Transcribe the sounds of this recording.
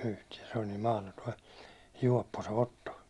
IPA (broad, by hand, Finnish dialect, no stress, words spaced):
yhtiɛ se olʲ niːm mɑhlotoi juɒpːo se otːo